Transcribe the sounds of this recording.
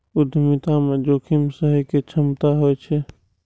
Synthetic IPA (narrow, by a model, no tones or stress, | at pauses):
ud̪ʱmit̪amed͡ʒoːkʰimsəɦiket͡ʃʰəmt̪aɦojt͡ʃʰɛ